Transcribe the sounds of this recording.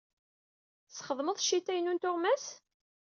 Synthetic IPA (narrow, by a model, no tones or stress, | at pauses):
sχəðˤməðˤʃit̪ːæjnunt̪ʊʁmæs